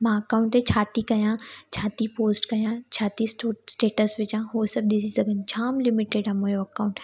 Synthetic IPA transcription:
mãɐkaːʊ̃ɳʈt̪et͡ɕʰaːt̪ikɐjãt͡ɕʰaːt̪ipoːsʈkɐjãt͡ɕʰaːt̪isʈosʈeːʈəsʋɪt͡ʃãɦoːsɐb̚ɗɪzizɐɡʱənt͡ɕʰaːmlɪmɪʈeɖãmũjoɐkaʊ̃ɳʈ

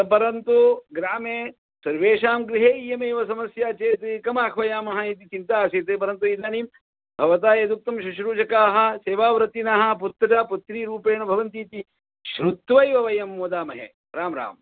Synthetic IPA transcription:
ɐpɐɾɐnt̪uɡɾaːmeː | sɐɾʋeːʃaːmɡɾiɦeːjɐmeːʋɐsɐmɐsjaːt͡ʃeːt̪ikɐmaːkʰʋɐjaːmɐɦɐit̪̬it͡ʃint̪aːsiːt̪ep̬ɐɾɐnt̪̬uiːd̪aːniːm | bʱɐʋɐt̪aːjɐd̪uk̚t̪ɐmʃuʃɾuːt͡ʃɐkaːɦɐ̆seːʋaːʋɾɐt̪inaɦɐ̆put̪ːɐɾɐput̪ɾiːɾuːpeːɳɐbʱɐʋɐnt̪iːt̪i | ʃɾut̪ʋɐjʋɐʋɐjɐmːoːd̪aːmɐɦḛ | ɾaːmɾa̰ːm

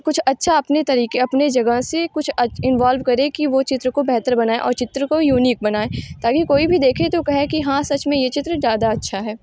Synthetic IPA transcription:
kʊt͡ʃʰɐtːʃʰaɐpnet̪ɐɾiːkeɐpned͡ʒɐɡəɦsekʊt͡ʃʰɐɪnʋaːlʋkɐɾẽkiʋot͡ʃɪt̪ɾəkobɛɦt̪əɾbɐnaːeʔɔ̰ːɾt͡ʃɪt̪ɾəkojuːniːk̚bɐnaːet̪aːkikoːibʱid̪eːkʰet̪okɐɦekiɦãsɐt͡ʃmẽjet͡ʃɪt̪ɾəzjaːd̪aɐtːʃʰaɦɛː

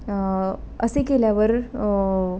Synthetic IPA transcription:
əsekeljaʋəɾ

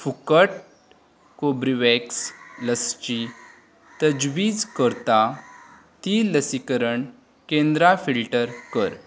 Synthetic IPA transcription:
fukəʈ̚ | kobɾiʋeksləst͡ɕi | t̪əd͡ʑʋiːd͡zkəɾt̪a | t̪iləsikəɾəɳ | kẽnd̪ɾafilʈəɾkəɾ

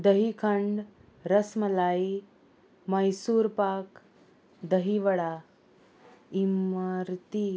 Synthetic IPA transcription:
d̪əɦikʰəɳɖ | ɾəsməlai | majsuːɾpak | d̪əɦiʋəɽa | imaɾt̪i

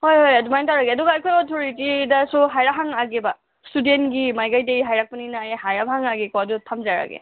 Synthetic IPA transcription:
hojhojadumajntawɾaɡeadɔɡaajkʰɔjɔtʰoɾitidasuɦajɾaɦaŋaɡeba | studentɡimajɡajdeɡiɦajɾak̚paninajɦajɾabhaŋaɡikɔadutʰamzaɾa̰ɡḛ

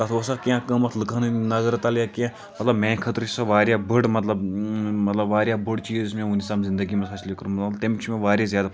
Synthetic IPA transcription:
t̪ɐt̪ʰosakʲãːkəmɐt̪ʰlɨkʰannɐzəɾt̪ɐljakã | mɐt̪lɐbmẽːkʰət̪ɾt͡ʃʰi̥saʋaːɾʲjabəɽmɐt̪lɐbmɐt̪lɐbʋaːɾʲjaːbəɽt͡ʃiːzzmẽunisaːmzɪ̃nd̪əɡimefɐslekəɾũmt̪emit͡ʃʰimẽʋaːɾʲjazjaːd̪a

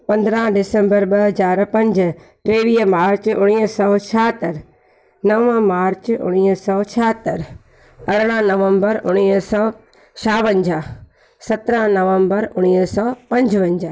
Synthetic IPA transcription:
pɐ̃nd̪ɾãɖɪsə̃mbəɾɓɐɦɐzaːɾpɐ̃ɲd͡ʑʈɾeːʋiːɦmaːɾt͡ʃʊɽ̃iːɦsɔːt͡ʃʰaːt̪əɾ | nɐə̃maːɾt͡ʃʊ̰ɽ̃iːsɔːt͡ʃʰaːt̪əɾ | ɐɽ̤ɽ̃ãnɐʋə̃mbəɾʔʊɽ̃iːɦsɔː | t͡ʃʰaːʋə̃ɲd͡ʑaː | sɐt̪ɾə̃ɦnɐʋə̃mbəɾʊɽ̃iːɦsɔːpɐ̃ɲd͡ʑʋɐ̃ɲd͡ʑaː

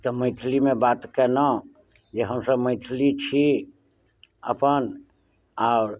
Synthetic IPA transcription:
t̪ɔməɪt̪ʰlimẽbat̪kenə | d͡ʒeɦəmsəbməɪt̪ʰlit͡ʃʰi | ə̰pən | aʊɾ

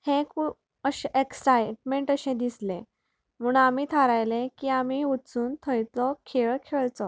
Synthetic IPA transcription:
hẽku | əɕʔeksajʈmeɳʈəɕẽd̪islẽ | m̤uːɳamiːt̪ʰaɾajlẽkiːamiut͡suːnt̪ʰəjt͡sɔkʰeɭkʰeɭt͡sɔ

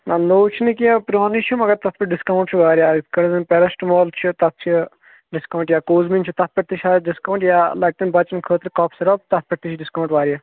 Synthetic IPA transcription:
nanoːt͡ʃʰinikiapɾoːnit͡ʃʰumɐɡɐɾt̪ɐt̪̚ʰpʲɐʈɖiskɐuɳʈt͡ʃʰuʋaːɾijaːkɐɽzɐnpɛɾɐsʈmɔːlt͡ʃʰut̪ɐt̪̚t͡ʃʰi | ɖɪskɐwɳʈjaːkoːzmint͡ʃʰut̪ɐt̪̚pʲɐʈ̚t̪it͡ʃʰʲaːɖiskɐuɳʈjaːlɐk̚t̪ɐnbɐt͡ʃɐnkʰəːt̪ɾikaːpʰsɐɾɐb̚t̪ɐt̪̚pʲɐʈt̪it͡ʃʰiɖiskɐwɳʈʋaːɾijaː

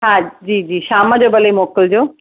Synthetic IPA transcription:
ɦãd͡ʑiːd͡ʑiːʃaːmad͡ʑobəleimoːkəld͡ʑoː

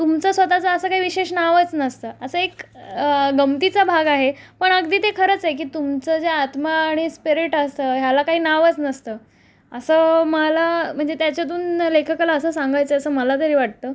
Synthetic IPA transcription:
t̪umt͡səsʋət̪at͡səəsəːkaɦiːʋiɕeʂnaʋət͡snəst̪əːəsəek | ɡəmt̪it͡sabʱaɡaɦe | pəɳəɡd̪iːt̪ekʰəɾət͡sɦek̬iːt̪umt͡səd͡zeat̪maːɽ̃ispiɾiʈəst̪əːɦjalakaɦiːnaʋət͡snəst̪əː | əsəːməlam̤əɳd͡zet̪jat͡ɕjat̪̬uːnlekʰəkalaəsəːsãŋɡajt͡səəsəːməlat̪̬əɾiːʋaʈ̚t̪əː

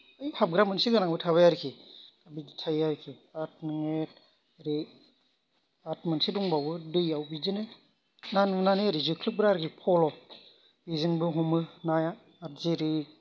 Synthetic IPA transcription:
ɯjpʰap̚ɡɾamɯnsiɡanaŋbɯtʰabajaɾikʰiabid͡ʒitʰajaɾikʰiat̚nɯŋet̚ | ɾe | atmɯnsiduŋbawbɯdɯjawbizɯnɯ | nanɯnanɯɾizɯkʰlɯp̚ɡɾaɾkʰipʰɔlɔ | bizɯnbɯɦɔmɯnajaː | t̚ziɾi

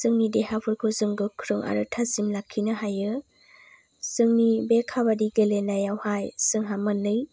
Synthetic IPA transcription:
z̥ɯŋnideɦabʰɯɾkʰɯzɯŋɡɯkʰɾɯŋʔa̰ɾɯtʰazimlakʰːinɯɦajɯ | z̥ɯŋnibekʰabadiɡelenajawhajsɯŋɦamɯnɯj

